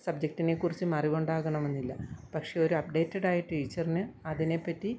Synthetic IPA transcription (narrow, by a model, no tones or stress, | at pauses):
sɐb̚d͡ʑɐk̚tːine̞kːurit͡ɕːɨmɐriʋuɳɖaːɣɐɳɐmenːilːɐpɐkʂe̞o̞ɾuɐpɖe̞ːtːɐɽaːjiʈːɨiɻt͡ɕːɐrinɨɐðine̞pːɐtːi